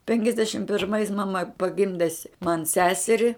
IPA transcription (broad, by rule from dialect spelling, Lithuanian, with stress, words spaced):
pʲɛŋʲkʲɛzʲˈdʲæːʃʲɪm pʲɪrˈmɐɪs mɐˈmɐ pɐˈɡʲɪmʲdʲɛ sʲ mɐn ˈsʲæːsʲɛrʲɪ